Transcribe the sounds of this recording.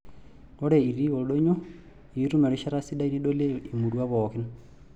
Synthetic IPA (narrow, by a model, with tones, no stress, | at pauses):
ɔ˦ɾɛ˨i˨ɾi˦wɔ˨ɗo˦ɲɔ˦ | i˨˦ɾu˦mɛ˨ɾɔ˨˦ʃa˦ɾa˦si˦ɗa˦i˦ɾi˦ɗo˦le˦i˨mu˨ɾu˦a˦βɔ˨ki˦n